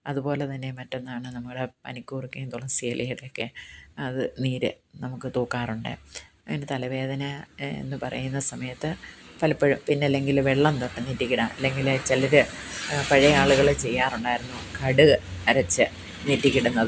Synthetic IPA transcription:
ɐðupo̞ːlet̪ɐnːe̞mɐtːo̞nːaːɳɨnɐmukːɐɽepɐ̰nikʲːuːrikːend̪uɭːɐsiɐlʔijiɽeokːeɐðɨniːɾɨ̰ | nɐmukːɨt̪uːkːaːruɳɖɨ̰ | ɐŋːɐnet̪ɐlɐʋe̞ːd̪ɐnɐḛnːɨpɐrɐ̰junːɐsɐmɐjɐt̪ːɨpɐlɐpːeɻumpinːeɐlːe̞ŋɡilʋeɭːɐnt̪oʈːɨnitːikʲːiɽɐmɐ̰lːe̞ŋɡilt͡ɕelɐɾɨpɐɻɐjaːɭuɣɐɭt͡ɕe̞jːaːruɳɖaːjiɾunːukɐɽɨɐɾɐt͡ɕːɨ | nitːikʲːiɽunːɐðɨ

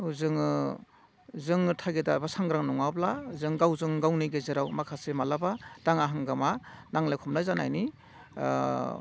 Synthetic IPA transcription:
uzɯŋ | zɯŋtʰaɡedabasaŋɡɾaŋnɔŋawblazɯŋɡawzɯŋɡawniɡezeɾawmakʰasemalabad̥aŋaɦaŋɡamanaŋlajkʰɔmlajzana̰jni

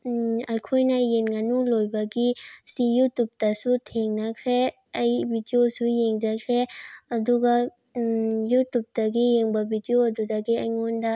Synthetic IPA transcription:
ɐjkʰojnɐjenɡɐnulojbɐɡisijutup̚tɐsutʰeŋnɐkʰɾe | ɐjbʱidiosujeŋd͡ʒɐkʰɾeɐduɡɐ | jutup̚dɐɡijeŋbɐbʱidioɐdudɐɡiɐjŋondɐ

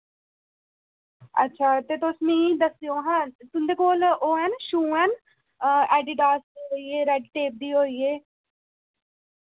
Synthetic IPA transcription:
ə̰tːʃʰaːt̪eːt̪osmĩːd̪əsiõːɦãːt̪ʊnd̪eːkoːloːɛnʃuːɦɛːn | ɛːɖiːɖaːsd̪iːɦoːiːeːɾɛɖʈeːp̚d̪iːɦoːiːeː

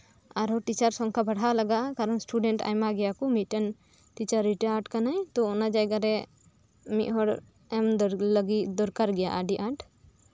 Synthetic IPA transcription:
aɾɦɔʈit͡ʃaɾsɔŋkʰabʱaɽalaɡaʔkaɾɔnsʈuɖɛɳʈa̰jmaɡɛjakɔmiʔʈan | ʈit͡ʃaɾːiʈaʈkanajt̪ɔɔnad͡ʒajɡaɾɛ | miʔɦɔɽ | ɛmləɡid̪ɔɾkaɾɡɛjaʔaɖiʔaʈ

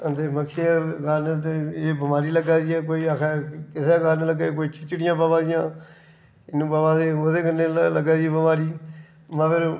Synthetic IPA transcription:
ət̪eːməkʰːeːɡaːnt̪eːeːbəmaːɾiːləɡaːd̪iɛːk̬oːiːakʰɛːkɪseaːkaːneləɡaːk̬oːiːt͡ʃɪt͡ʃːɽɪjãːbaːbãːd̪ɪjãː | ɪnːũːbaːbaːd̪eːoːd̪eːkəneːləɡaːd̪iɛːbəmaːɾiː | məɡəɾ

